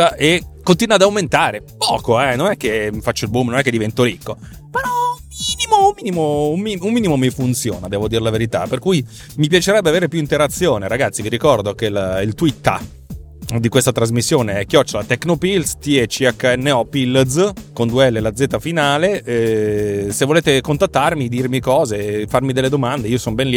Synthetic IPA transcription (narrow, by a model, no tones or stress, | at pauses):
aʔekːont̪inwad̪awment̪aːɾepɔːkoɛnonɛkːemifat͡ʃːoilbumnonɛkːed̪ivɛnt̪oɾikːo | menɔumiːnimoummiːnimoummiumːiːnimomifunt̪sjoːnad̪ɛːvod̪iːɾelaveɾit̪a̰perkuj | mipjat͡ʃeɾɛbːeaveːɾepjuint̪eɾat̪sːjoːneɾaɡat̪sːiviɾikɔrd̪okelailt̪wit̪ːa̰ | d̪ikwest̪at̪ɾazmisːjoːneɛkːjɔt͡ʃːolat̪ɛkːnopilst̪iɛt͡ʃːiakːaɛnːeɔpilzkond̪uɛlːelad̪zːeːt̪ːafinaːleɛ | sevːoleːt̪ekont̪at̪ːarmid̪irmikɔːzefarmid̪elːed̪omand̪eiːosɔnobɛnli